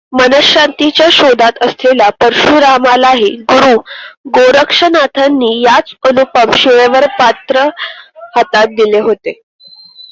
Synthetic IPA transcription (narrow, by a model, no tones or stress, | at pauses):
mənəɕant̪it͡ɕjaɕod̪at̪əslʰelapəɾʂuɾamalaɦeɡuɾuːɡoɾəkʂənat̪ʰanːiːjat͡sənupəmɕiʋeʋəɾpat̪ɾəhat̪at̪̚d̪ileɦot̪e